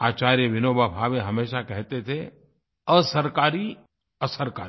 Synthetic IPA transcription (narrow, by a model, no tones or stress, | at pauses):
aːt͡ʃaːɾjəʋɪnoːbʱabʱaːʋeɦɐmeːʃakɛɦt̪et̪ʰe | əsəɾkaːɾi | əsəɾka̰ː